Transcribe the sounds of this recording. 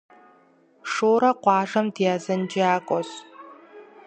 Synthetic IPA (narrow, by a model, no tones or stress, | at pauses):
ʂoːɾɐqʷɑːʒɐmdijaːzɐnd͡ʒʼiaːkʷʼɔɕ